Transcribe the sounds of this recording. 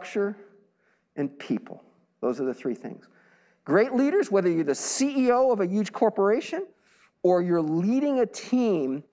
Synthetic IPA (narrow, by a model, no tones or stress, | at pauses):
k̚t͡ʃə˞ | ɨ̃npʰḭpʰl̩ˠ | ðoʊzə˞ðɨθɹḭθɪ̰̃ŋz̥ | ɡ̥ɹeɪʔˡliɾə˞zwɛðə˞jə˞ðɨsiioʊʌvɨjʉdʒ̥kʰɔɹpə˞eɪʃɨ̃n | ə˞jə˞liɾɪ̃ŋɨtʰĩm